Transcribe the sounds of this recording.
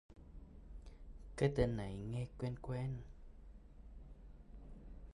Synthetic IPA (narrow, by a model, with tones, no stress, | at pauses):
ke˦t̪e˧nːa˨˦jŋɛ˧kwɛ˧nkwɛ˧˦n